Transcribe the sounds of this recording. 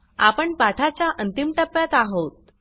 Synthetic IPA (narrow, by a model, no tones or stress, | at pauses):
a̰pəɳpaʈʰat͡ɕjaʔənt̪imʈəpːjat̪aɦot̪̚